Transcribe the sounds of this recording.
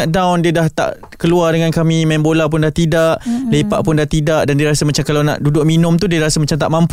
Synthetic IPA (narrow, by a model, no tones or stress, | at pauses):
aʔdawndiədaht̪a̰ʔ | kəluardəŋankamimambolap̬ʊndaht̪idaʔlepa̰ʔpʊndaht̪idaʔdandiəɾasəmat͡ʃamkalawna̰ʔdudʊʔ̚minʊ̃mt̪udiəɾasamat͡ʃamt̪aʔmãmpu